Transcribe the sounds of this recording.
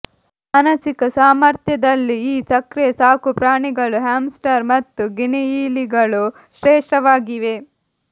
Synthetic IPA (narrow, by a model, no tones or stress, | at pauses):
ɐnɐt͡ʃikɐsaːmɐɾt̪ʰjɐd̪ɐlːiiːt͡ʃɐkɾɛjɐsaːkupɾaːɳiɡɐɭuɦaːmsʈɐɾmɐt̪ːuɡiniiːliɡɐɭu | ʃɾɛːʂʈɐʋaːɡiʋe̞